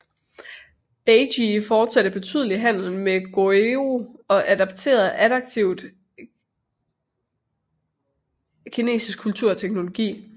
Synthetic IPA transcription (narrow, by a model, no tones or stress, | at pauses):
eɪɕifɒːd̥sæd̥əb̥e̝t͡sʰy̰ð̞ˠəliɦæn̰l̩meɡ̥oeoɒ̽ʔæd̥ɑ̈b̥̚t͡sʰe̝̰ːɐð̩ˠʔæd̥ɑ̈ɡ̥̚t͡sʰiʊ̰d̥ | kʰine̝̰ːsisɡ̥̚kʰːult͡sʰuɐ̰t͡sʰeɡ̥no̝lo̝ɡ̥ḭː